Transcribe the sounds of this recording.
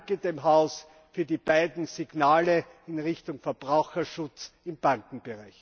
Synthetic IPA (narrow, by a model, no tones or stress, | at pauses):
ɡədeːmɦaʊs | fyːɐdiːb̥aɪdn̩zɪɡ̥naːlə | ɪnʁɪçtʊŋfɛɐb̥ʁaʊxɐʃʊt͡sɪmb̥aŋkŋ̩b̥ɪʁaɪç